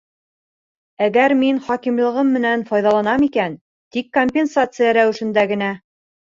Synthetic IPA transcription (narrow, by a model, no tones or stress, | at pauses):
æɡæɾminχɑkimlˠɤ̆ʁɤmːɘ̆nænfɑjðɑlˠɑnɑmikæn | t̪ikːomʲpʲensat̪sɨjɑɾæwɘ̆ʃɘ̆nd̪æɡɘ̆næ